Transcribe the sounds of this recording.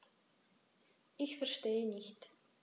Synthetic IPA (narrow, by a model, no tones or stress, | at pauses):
ixfɛrʃteːəniçt̪